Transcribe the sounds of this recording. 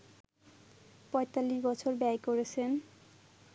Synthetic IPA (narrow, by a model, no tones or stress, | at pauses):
pɔjt̪alːiʃbɔt͡ɕʰoɾbɛjkoɾet͡ɕʰen